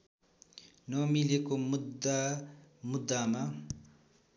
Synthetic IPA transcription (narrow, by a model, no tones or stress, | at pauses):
nʌmilekomud̪amud̪ːama